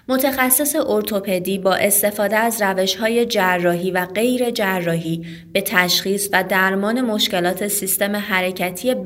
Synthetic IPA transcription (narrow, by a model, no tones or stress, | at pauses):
mo̞t̪ʰexæsːeseʔoɾt̪ʰo̞pʰe̞d̪iːbɒːʔe̞st̪e̞fɒːd̪eæzræve̞ʃhɒːje̞d͡ʒærːɒːɦiːvæɢe̞jɾe̞d͡ʒærːɒːɦiː | b̥e̞t̪ʰæʃxiːsvæd̪æɾmɒːne̞mo̞ʃce̞lɒːt̪ʰe̞sist̪e̞meɦæɾe̞cʰæt̪ʰije̞